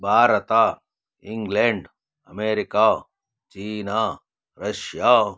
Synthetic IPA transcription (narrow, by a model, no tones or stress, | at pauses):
bʱaːɾɐt̪aː | ĩŋɡleɳɖ | ɐmeːɾɪkaː | t͡ʃiːnaː | ɾɐʃja